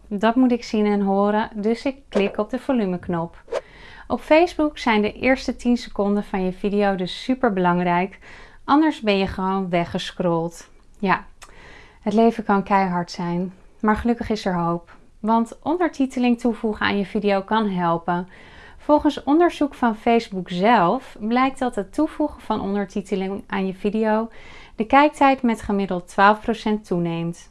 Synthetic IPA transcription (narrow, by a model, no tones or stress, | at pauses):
dɑtmutɪksinɛnɦoːɾədɵsɪkːlɪkɔb̚dəv̥olyməknɔp | ʔɔpfejzbuksɛjndəʔɪ̰ːɹstətinsəkɔndənvɑnjəvidijowdɵsːypəɹbəlɑŋrɛjk | ʔɑndəɹzbɛnjəχəʋownʋɛχəskrɔlˠt | ja | ɦətlejvəkɑnkɛjɦɑɹtsɛjnmaːɹχəlɵkəχɪsɛɹɦowp | ʋɑntʔɔndəɹtitəlɪŋtuvuχəa̰ːnjəvidijowkɑnɦɛlˠpən | fɔlˠχənsɔndəɹzukfɑnfejzbukzɛlˠfblɛjk̚tdɑtɦətuvuχəvɑnʔɔ̰ndəɹtitəlɪŋʔaːnjəvidijowd̥əkɛjk̚tɛjtmɛtχəmɪdəlˠtːʋaːlˠfprowsɛntːunejmt